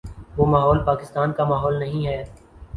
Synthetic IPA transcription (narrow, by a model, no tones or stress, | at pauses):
ʋoːmaːɦɔːlpaːkɪst̪aːnkamaːɦɔːlnɐɦĩɦɛː